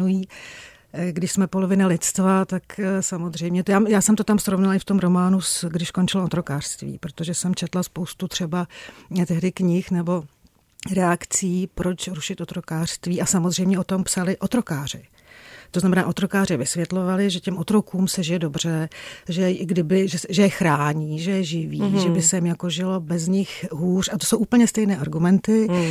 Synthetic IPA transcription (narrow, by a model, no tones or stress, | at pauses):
ujiː | ɡdɪʃsmɛpo̞lo̞vɪnalɪt̪st̪vat̪aksamozrɛjmɲɛtjaːjaːsɛmt̪o̞t̪amsɾovnalɪft̪o̞mɾo̞maːnusɡdɪʃko̞nt͡ʃɪloot̪ɾo̞kaːr̥st̪vḭːpɾot̪oʒɛsɛmt͡ʃɛt̪laspo̞wst̪ut̪r̥ɛbat̪ɛɦdɪkɲɪxnɛbo̞ | ɾɛakt͡siːpɾo̞t͡ʃɾuʃɪt̪ʔot̪ɾo̞kaːr̥st̪viːʔasamozr̝ɛjmɲɛʔot̪o̞mpsalɪʔot̪ɾokaːr̝̥ɪ | t̪oznamɛna̰ːʔo̞t̪ɾo̞kaːr̝ɪvɪsvjɛt̪lo̞valɪʒɛcɛmʔot̪ɾo̞kuːmsɛʒɪjɛdo̞br̝̥ɛʒɛɡdɪbɪʒɛsʒɛjɛxɾaːɲiːʒɛjɛʒɪviːʒɛbɪsɛmjakoʒɪlo̞bɛzɲɪxɦuːrat̪oso̞wʔuːpl̩ɲɛst̪ɛjnɛːʔaɾɡumɛnt̪ɪ